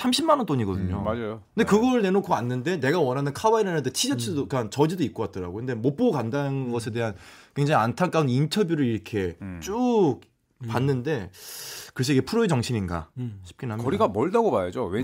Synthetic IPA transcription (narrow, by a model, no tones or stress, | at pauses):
sʰamɕʰimːanʌnt͈oɲiɡʌdɯɲo̰mad͡ʑajoɯndekɯɡʌɾɯɭne̞nokʰoanːɯnde̞ne̞ɡawʌnɦanɯnkʰawaiɾanɯndetʰid͡ʑet͡ɕʰɯdokant͡ɕʌd͡ʑidoik̚k͈ʌkat̚t͈ʌɾa̰ɡoɯnde̞mop͈okandanɯnɡʌsʰe̞de̞ɦankwe̞ŋd͡ʑaŋiantʰak͈aundintʰʌbjuɾɯɭiɾʌkʰe̞t͡ɕ͈ok̚ | panːɯnde̞ | kɯɾʌs̬ʰʌiɡepʰuɾoet͡ɕʌŋɕʰininɡa̰ɕʰi̥p̚k͈inɦamʌɾiɡamʌɭdaɡomajad͡ʑowe